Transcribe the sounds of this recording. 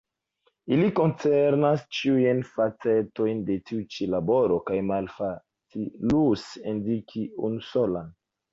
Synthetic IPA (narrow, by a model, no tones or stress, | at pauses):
iliko̞nt͡seɾnast͡ʃiujnfat͡se̞to̞jnde̞tiut͡ʃilabo̞ɾo̞kajmalfa | t͡silusendikʰiṵnusolan